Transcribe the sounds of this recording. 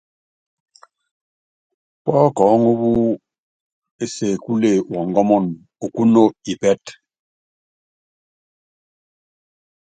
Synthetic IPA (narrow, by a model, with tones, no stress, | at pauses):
k͡pɔ˦kɔ˨˦ŋu˦βu˦ | e˦se˨ku˦le˦˨wɔ˨ŋ˦ɡɔ˦mɔ˦˨n | o˨ku˦no˦i˨bɛ˦t